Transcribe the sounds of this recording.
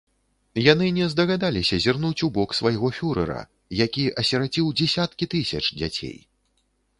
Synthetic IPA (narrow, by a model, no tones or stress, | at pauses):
janɨnʲɛzd̪ɐɣad̪alʲisʲɐzʲirnut͡sʲubɔksvajɣɔfʲuɾɛ̰ɾɐ̰ | jakʲiʔɐsʲɛɾad͡zʲiwd͡zʲɛsʲat̪kʲit̪ɨsʲɐt͡ʂd͡zʲa̰t͡sʲḛj